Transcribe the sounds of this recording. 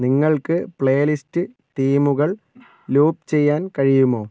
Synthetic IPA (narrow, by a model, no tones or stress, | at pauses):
niŋːɐɭkɨpɭejɐlistɨ | ʈiːmuɣɐɭ | luːp̚t͡ɕe̞jːaːnkɐɻijumo̞ː